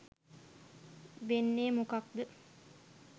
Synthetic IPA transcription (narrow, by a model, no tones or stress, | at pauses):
ʋenːeːmukak̚d̪ə